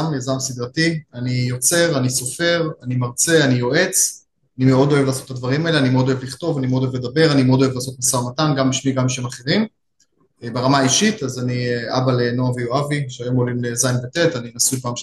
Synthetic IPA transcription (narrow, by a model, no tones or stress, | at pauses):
mjazamsid̪ʁatianijo̞t͡se̞ʁaniso̞fe̞ʁanimaʁt͡se̞anijo̞e̞t͡s | animeo̞d̪o̞e̞vlaːso̞tːad̪vaʁimaeleanimeo̞d̪o̞evliχto̞vanimeodoevle̞d̪abe̞ʁanimeod̪̞elaːso̞tmasaʁmatanɡambiʃmiɡamʃemaχe̞ʁim | beʁamaːiʃit̪azaniabalenoavijoaviʃeajo̞molimlezajnbete̞taninasujpaːm